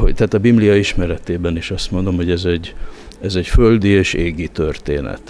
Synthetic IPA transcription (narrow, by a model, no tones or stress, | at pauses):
ho̰ɟt̪ɛːt̪ɒbibliɒiʃmɛɾɛt̪eːbɛniʃɒst̪mo̞nd̪o̞mho̞ɟɛzɛɟː | ɛzɛcfø̞ld̪ieːʃeːɡit̪ørt̪ḛːnɛ̰t̪